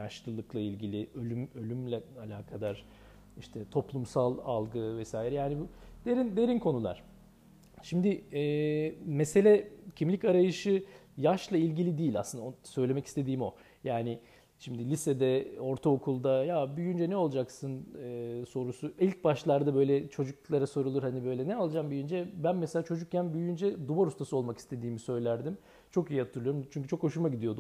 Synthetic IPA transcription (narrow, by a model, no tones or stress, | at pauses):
jaʃlˠɯlˠɯklˠailʲɟilʲiølʲymø̞lʲymlʲɛalʲaːkʰad̪aɾ̥ | iʃt̪ʰɛt̪ʰo̞plˠumsalˠa̰lˠɡɯvɛsaːjiɾɛjaːnibud̪̥eɾind̪e̞ɾinkʰo̞nulˠa̰ɾ̥ | ʃimd̪ɪɛːmese̞lʲɛcʰimlʲicaɾajɯʃɯ | jaʃlˠailʲɟilʲid̪iːlʲa̰slɯnaosø̞jlʲe̞mɛci̥st̪ʰe̞d̪iːmo̞ | jaːnɪ | ʃimd̪ilʲisɛd̪ɛo̞ɾt̪ʰaokʰulˠd̪ajabyjynd͡ʒɛnɛo̞lˠd͡ʒaksɯnɯːso̞ɾusuilʲc̚baʃlˠaɾd̪abø̞jlʲɛt͡ʃʰo̞d͡ʒuklˠaɾaso̞ɾulˠuɾhanibø̞jlʲɛnɛalˠd͡ʒaːmbyjynd͡ʒɛbænmɛselʲaːt͡ʃʰo̞d͡ʒuk̚cʰanbyjynd͡ʒɛd̪ubaɾust̪ʰasɯo̞lˠmaki̥st̪ʰe̞d̪iːmisø̞jlʲæɾd̪im | t͡ʃʰo̞kijihat̪ʰɯɾlˠɯjo̞ɾumt͡ʃʰyɲʲc̬yt͡ʃʰo̞kʰo̞ʃuɾmaɟid̪ijo̞d̪